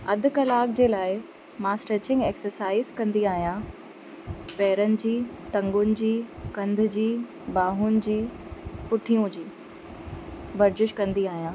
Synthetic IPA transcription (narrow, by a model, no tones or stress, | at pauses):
ɐd̪ʱʊ̆kɐlaːk̚d͡ʑeːlaːɪ | maːsʈeːt͡ɕɪ̃ŋɡeːksəɾsaːɪzkɐ̃nd̪iaːɦijã | pɛːɾənɪ̆d͡ʑiː | t̪ɐ̃ŋɡʊnɪ̆d͡ʑiːkɐ̃nd̪ʱʊ̆d͡ʑiː | baːɦʊnɪ̆d͡ʑiːpʊʈʰijũd͡ʑiː | bɐɾd͡ʑɪʃkɐ̃nd̪iaːɦijãː